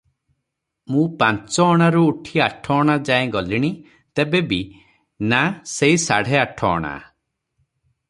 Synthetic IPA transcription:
mũpant͡ʃɔːɽ̃aɾuːʈʰiaʈʰɔːɽ̃ad͡ʒaẽɡɔliɽ̃i | t̪ebebi | naseisaɽ̤eaʈʰɔ̰ːɽ̃a̰

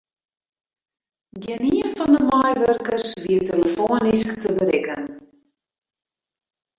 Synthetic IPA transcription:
ɡɪniənfɔndəmɔjʋørkərsʋiəteləfoənisktəbəɾɪkən

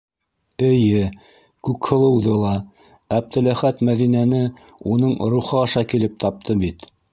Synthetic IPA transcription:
ɘ̆jɘ | kʉkhɤ̆lˠɤ̆wðɤlˠɑ | æb̚t̪ɘ̆læχæt̪mæðinænɘ | unɤɴɾuχɤɑʃɑkilɘp̚t̪ɑp̚t̪ʰɤbit̪

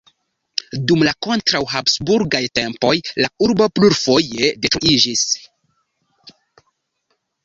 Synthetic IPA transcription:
dumlako̞ntɾawɦapsbuɾɡajte̞mpo̞jlauɾbo̞pluɾfo̞je̞detɾuʔid͡ʒis

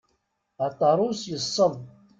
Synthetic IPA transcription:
at̪ˤːɑɾˤʊsjəsˤːəðˤ

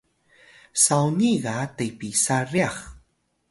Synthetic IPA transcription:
sawniɣatajpisaɾiax

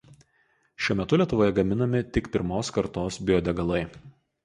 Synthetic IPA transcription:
ʃʲuɔmʲɛt̪ʊlʲiɛt̪ʊʋoːjɛɡɐmʲɪnɐmʲɪt̪ʲɪkpʲɪɾmoːskɐɾt̪oːsbʲɪjɔd̪ʲɛɡɐlˠɐɪ

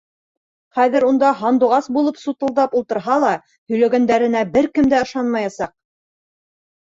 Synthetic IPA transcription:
χæðɘ̆ɾund̪ɑɦɑnd̪uʁɑsbulˠɤpsut̪ɤ̆lˠd̪ɑpulˠt̪ɤ̆ɾɦɑlˠɑ | hɵ̆jlæɡænd̪æɾɘ̆næbɘɾkɘmd̪æɤ̆ʃɑnmɑjɑsɑq̚

